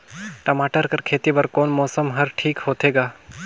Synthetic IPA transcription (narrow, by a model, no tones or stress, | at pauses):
ʈɐmaːʈəɾkɐɾkʰeːt̪ibɐɾkoːnmɔːsəmɦɐɾʈʰiːkɦoːt̪eːɡaː